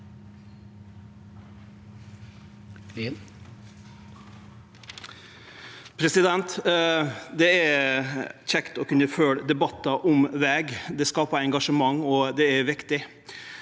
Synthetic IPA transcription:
pʰɾɛsɪd̪ɛnt̪ | d̪ɛæɾ | c͡çɛkt̪ɔkʰʉnːəføːɽəd̪ɛbɑt̪ːɑʔɔmʋɛːɡd̪ɛskɑːpɑɾɛŋɡɑʂəmɑŋːɔd̪ɛæɾʋɪkt̪ɪ

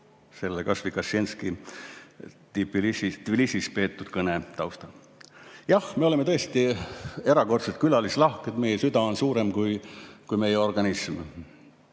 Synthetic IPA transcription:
se̞lːekɑsvikɑsːenski | t̪ipːˑilisit̪vlisispe̞ːt̪ːˑud̪̥kɤnet̪ɑwst̪ɑ | jɑhmeo̞lemet̪ɤ̞est̪ie̞ɾɑko̞rt̪set̪̚kylɑlislɑhket̪me̞jesyd̪ɑonsuːɾe̞mkujkujme̞jɛo̞rɡ̥ɑnism

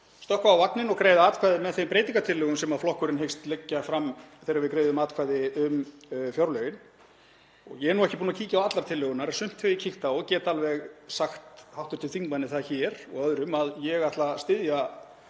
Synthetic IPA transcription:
st̪ɔhkvaawvaknɪnɔɣkɾeːjðaaːt̪kʰvajðɪmɛðθejmpɾeːjt̪iŋkat̪ʰɪlːœɣʏmsɛmaðflɔhkʏɾɪnɦejxst̪lɛcːafɾamːθejɾavɪðkɾeːjðʏmaːt̪kʰvaːjðɪʏmfjawɾlœɪn | ɔ̰ɣjɛɛnuɛhcɪpuːnacʰiːcawat̪laɾ̥t̪ʰɪlːʏɣʏnaɾasʏm̥t̪feicʰiht̪aɔɣcɛːt̪alvɛɣsaxt̪hawht̪ʏɾ̥t̪ʰɪlθiŋmanːɪθaðçɛɾ̥ɔ̰ɣœðɾʏmaðjɛɣaht̪last̪ɪðja

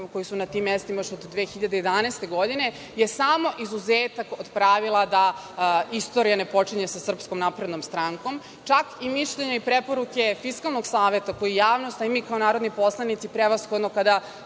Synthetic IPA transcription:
ko̞jisunat̪imːjest̪imajoʃod̪d̪ʋeːxiʎad̪ejed̪anaːst̪e̞ɡo̞d̪ine̞ | jesamo̞ʔizuzeːt̪akod̪pɾaʋilˠad̪a | ist̪o̞ɾijanepo̞t͡ʃiɲe̞sasr̩pskomnaːpɾe̞d̪no̞mst̪ɾaŋko̞m | t͡ʃakimiʃʎeɲaipɾe̞po̞ɾuke̞fiskalˠno̞ɡsaːʋet̪ako̞jijaːʋno̞st̪aimikaonaːɾod̪nojpo̞slˠanit̪sipɾeʋasxo̞d̪nokad̪a

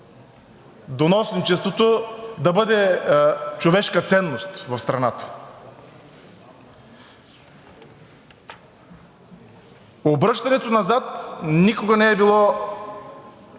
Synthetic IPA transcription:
d̪onɔsnot͡ʃɛst̪vot̪od̪ɐbɤd̪ɛ | t͡ʃovɛʃkɐt̪sɛnːost̪vɐfst̪ɾɐnat̪ə̥ | obɾɤʃt̪ɐnɛt̪onɐzat̪nikoɡɐnɛːbilˠɔ

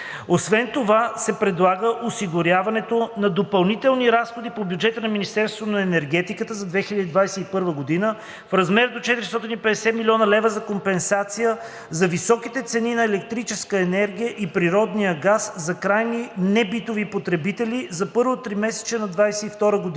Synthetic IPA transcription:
osvɛnt̪ovasɛpɾɛd̪lˠaɡəʔosiɡoɾjavɐnɛt̪onɐd̪opɐlˠnit̪ɛlˠniɾasxod̪ipobjud͡ʒɛt̪ənɐminist̪ɛɾst̪vot̪onɐɛnɛɾɡ̟ɛt̪ikət̪əzɐd̪vɛxilʲəd̪id̪vajsɛipɤɾvəɡod̪inə | fɾɐzmɛɾd̪ot͡ʃɛt̪iɾist̪ɔt̪inipɛd̪ɛsɛmiliɔnəlɛvəzɐkompɛnsat̪sijə | zɐvisɔkit̪ɛt̪sɛninɐɛlɛk̚t̪ɾit͡ʃɛskəɛnɛɾɡʲijəʔipɾiɾɔd̪nijəɡaszɐkɾajninɛbit̪ovipot̪ɾɛbit̪ɛlizɐpɤɾvot̪ːɾimɛsɛ̥t͡ʃɛnɐd̪vajsɛift̪ɔɾəɡod̪i

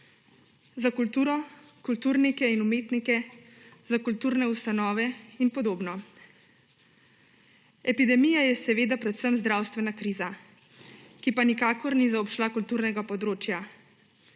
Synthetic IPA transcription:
zakult̪uːɾɔ | kult̪uːɾnikɛinumeːt̪nikɛ | zakult̪uːɾnɛust̪anɔːʋɛinpɔd̪oːbnɔ | ɛpid̪ɛmijajɛsɛʋeːd̪apɾɛt̪səmzd̪ɾaːwst̪ʋɛnakɾiːza | kipanikaːkɔɾnizaɔpʃlakult̪uːɾnɛɡapɔd̪ɾoːt͡ʃja

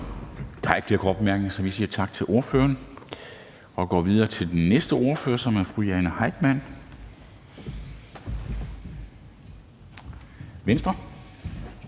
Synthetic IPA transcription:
t͡sʰɑ̈ɡ̥fd̥iɐkʰɒb̥mæɐɡ̥n̩sɒ̽ʋisiːɐt͡sʰɑ̈ɡ̥̚t͡sʰe̝lʔo̝ɐfø̰ːɐn | ɒ̽ɡ̥ɒ̰ːʋiðˠɐːt͡sʰe̝ld̥enːesd̥əo̝ɐføːɐsɒ̽mæɐfʁujɛːnəhɑ̈ɪ̰d̥mæn̰ | ʋensd̥ʁɐ

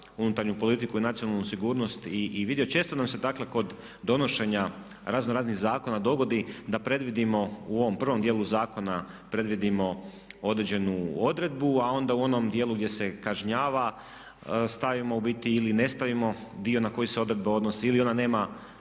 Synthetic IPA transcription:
unut̪aɾɲupo̞lit̪ikuinat̪sio̞nalˠnusiɡuːɾno̞st̪iʋid̪iɛjot͡ʃe̞ːst̪o̞namse̞d̪akle̞ko̞d̪ | d̪o̞no̞ʃe̞ɲa | ɾaznoɾaːzniɣzaːko̞nad̪o̞ɡo̞d̪id̪apɾe̞d̪ʋid̪imo̞uo̞ʋo̞mpr̩ʋomd̪jeːlˠuzaːko̞na | pɾe̞d̪ʋid̪imo̞ | o̞d̪ɾed͡ʑe̞nuo̞d̪ɾe̞d̪̚buao̞nd̪auo̞nomd̪je̞ːlˠuɡ̪je̞se̞kaʒɲaːʋa | st̪aʋimo̞ubit̪iːline̞st̪aʋimo̞d̪io̞nako̞jise̞o̞d̪ɾed̪bao̞d̪nosiilio̞nane̞ːma

